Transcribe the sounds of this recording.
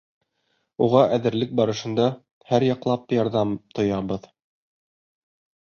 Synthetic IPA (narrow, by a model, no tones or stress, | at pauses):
uʁɑʔæðɘ̆ɾlɘk̚bɑɾɤ̆ʃɤ̆nd̪ɑ | hæɾjɑqlˠɑpjɑɾðɑmt̪ŏjɑβɤð